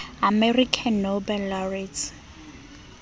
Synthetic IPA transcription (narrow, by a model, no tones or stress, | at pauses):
amɛrikʰanːobɛlːarit͡s